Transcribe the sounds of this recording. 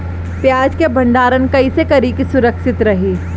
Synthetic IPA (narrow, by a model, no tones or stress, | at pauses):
pjaːd͡ʒkebɐ̃ɳɖaːɾənkɐisekɐɾiːkisʊɾəkʃɪt̪ɾɐɦiː